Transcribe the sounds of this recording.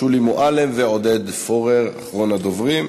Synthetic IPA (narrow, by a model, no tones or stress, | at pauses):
ulimoʔalemveod̪ed̪foʁeʁaχʁonad̪ovʁim